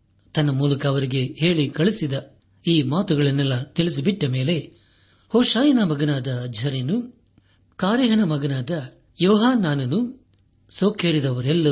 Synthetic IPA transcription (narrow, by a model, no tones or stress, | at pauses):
t̪ɐnːɐmuːlɐkɐːʋɐɾiɡe̞he̞ːɭikɐɭisid̪ɐ | iːmaːt̪uɡɐɭɐnːɛlːɐt̪iɭis̬ibiʈːɐme̞ːle̞ | hoːʂaːjɐnamɐɡɐnaːd̪ɐːdʱɐɾenu | kaːɾjɐɦɐnɐmɐɡɐnaːd̪ɐ | jɔːɦaːnːaːnɐnu | soːkeːɾid̪ɐʋɐɾɛlːɐ